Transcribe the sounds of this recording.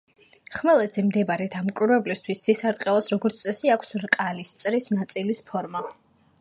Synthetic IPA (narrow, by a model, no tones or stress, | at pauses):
χmɛlˠɛd̪zɛmd̪ɛbaɾɛd̪amkʷʼwiɾwɛblist̪ʰwisd̪z̥isaɾt̪ʼqʼɛlˠasɾɔɡɔɾt̪ʰʼɛsiakʷʰsɾkʼalist̪sʼɾisnat̪sʼilispʰɔɾma